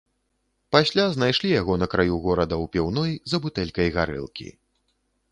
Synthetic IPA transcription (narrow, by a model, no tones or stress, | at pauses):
pasʲlʲaznajʂlʲijaɣɔnɐkɾajuɣɔɾɐd̪ɐwpʲiwnɔjzɐbut̪ɛlʲkɐjɣaɾɨ̰lˠkʲḭ